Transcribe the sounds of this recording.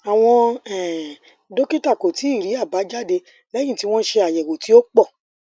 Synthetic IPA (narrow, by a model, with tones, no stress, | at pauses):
a˨w̃ɔ̃˧ɛ˨ | do˦ki˦ta˦˨ko˨ti˨˦i˦˨ɾi˨˦a˦˨ba˨˦d͡ʒa˦˨de˧ | lɛ˦jĩ˦˨ti˦w̃ɔ̃˦ʃe˧a˨jɛ˨wo˨ti˨˦o˦k͡pɔ˦˨